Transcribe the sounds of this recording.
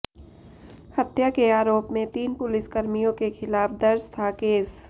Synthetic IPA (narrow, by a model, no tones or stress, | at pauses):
hɐt̪jakeaːɾoːpmẽt̪iːnpʊlɪskɐɾmijõkexʰɪlaːfd̪ɐɾst̪ʰakeːs